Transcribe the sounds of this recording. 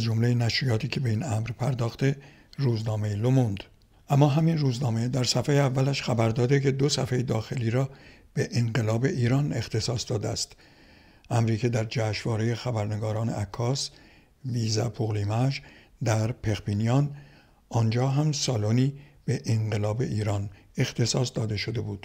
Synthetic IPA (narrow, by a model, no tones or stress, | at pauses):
æzd͡ʒomlejenæʃɾijɒːt̪ʰiːcʰe̞be̞inæmɾpʰæɾd̪ɒːxt̪e̞ | ruːznɒːme̞jilomund̪ | ʔæmːɒːɦæminruːznɒːme̞d̪æɾsæfejeævːælæʃxæbæɾd̪ɒːd̪ekʰe̞d̪o̞sæfejed̪ɒːxe̞liːɾɒːb̥eʔeŋɢe̞lɒːbe̞ʔiːɾɒne̞xt̪ʰe̞sɒːsd̪ɒːd̪eæ̰st̪ | ʔæmɾiːkʰe̞d̪æɾd͡ʒæːʃvɒːɾejexæbæɾne̞ɡɒːɾɒːne̞̰ʔækʰːɒːs | viːzæpʰoɣliːmæʒd̪æɾpʰe̞xbiːnijɒn | ɒnd͡ʒɒːɦæmsɒːloniːb̥e̞ʔeɴɢe̞lɒːbe̞̰ʔiːɾɒːne̞xt̪ʰe̞sɒːsd̪ɒːd̪e̞ʃo̞d̪e̞buːd̪̥